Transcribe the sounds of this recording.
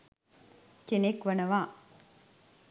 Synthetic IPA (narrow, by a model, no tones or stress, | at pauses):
kenekʋɐnɐʋaː